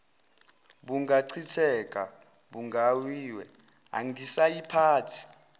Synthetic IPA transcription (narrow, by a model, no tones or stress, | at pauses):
ɓuŋɡaǀʰitʰɛkʼa̰ | ɓuŋɡawiːwɛ̰ | a̰ŋɡisajipʰaːtʰi̥